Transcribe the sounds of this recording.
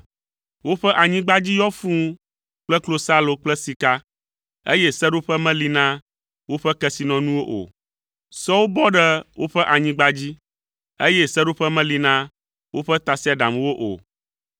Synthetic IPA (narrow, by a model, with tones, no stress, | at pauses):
wo˦ɸɛ˦ʔa˨ɲĩ˦ɡ͡ba˦d͡ʑi˦jɔ˦fũ˦ | k͡plɛ˦klo˦sa˦lo˨k͡plɛ˦si˨ka˦ | ḛ˦jɛ˦sɛ˦ɖo˦ɸɛ˦mɛ̃˦li˨nã˦ | wo˦ɸɛ˦kɛ˦si˨nɔ̃˨nũ˦wo˦ʔo̰˨ | sɔ˦wo˦bɔ˦ɖɛ˦wo˦ɸɛ˦ʔa˨ɲĩ˦ɡ͡ba˦d͡ʑi˦ | e˦jɛ˦sɛ˦ɖo˦ɸɛ˦mɛ̃˦li˨nã˦ | wʔo˦ɸɛ˦t̪a˨si˦a˨ɖa̰˨mwo˦ʔo̰˨